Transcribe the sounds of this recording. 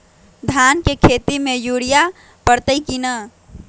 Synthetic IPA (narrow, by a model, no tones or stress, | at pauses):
d̪ʱankekʰet̪imejuɽija | pəɾt̪əjkinə